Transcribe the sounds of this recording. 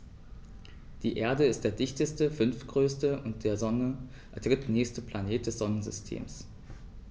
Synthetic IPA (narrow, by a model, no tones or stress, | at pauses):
d̥iːʔeːɐdəɪstd̥eːɐdɪçtəstəfʏnftɡ̥ʁøːstəʔʊnt̚d̥eːɐzɔnə | dʁɪtnɛːçstəpl̥aneːt̚d̥ɛsz̥ɔnənzʏstʰḛːms